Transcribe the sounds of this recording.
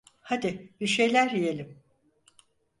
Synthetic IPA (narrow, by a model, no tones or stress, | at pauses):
had̪ɪbiɾʃe̞jlʲæɾjijelʲim